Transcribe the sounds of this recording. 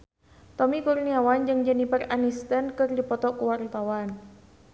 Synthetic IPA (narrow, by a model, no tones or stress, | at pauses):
t̪ɔmikurniawand͡ʒɨŋd͡ʒənipəranist̪ənkɨrdipɔt̪ɔkuwart̪awan